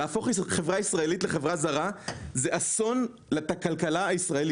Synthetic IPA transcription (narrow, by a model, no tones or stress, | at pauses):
aːfo̞χχe̞vʁaisʁae̞litle̞χe̞vʁazaʁazeʔaso̞n | lat̪akalkalaaisʁae̞li